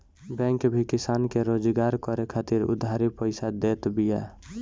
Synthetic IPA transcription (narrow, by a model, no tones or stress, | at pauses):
bɛ̃ŋkbʱikisankeɾod͡ʒɡaɾkɔɾekʰat̪iɾʊ̰d̪ʱaɾipəɪsad̪et̪bija̰